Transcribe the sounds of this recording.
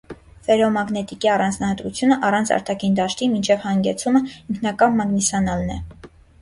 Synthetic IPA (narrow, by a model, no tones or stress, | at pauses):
fɛɾɔmɑɡnɛt̪ikiɑrɑnd͡znɑhɑt̪ɾut͡sʰjunəʔɑrɑnt͡sʰɑ̰ɾt̪ʰɑkʰind̪ɑʃt̪imint͡ʃʰɛvhɑŋɡɛt͡sʰuməiŋkʰnɑkɑnmɑɡnisɑnɑlnɛ̰